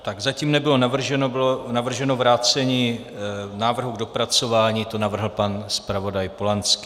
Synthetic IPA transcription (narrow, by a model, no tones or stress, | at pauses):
t̪aɡzaciːmnɛbɪlo̞navr̩ʒɛnobɪlonavr̩ʒɛno̞vɾaːt͡sɛɲiː | naːvr̩ɦuɡ̚do̞pɾat͡so̞vaːɲiːt̪o̞navr̩ɦl̩panspɾavo̞dajpolant͡skɪ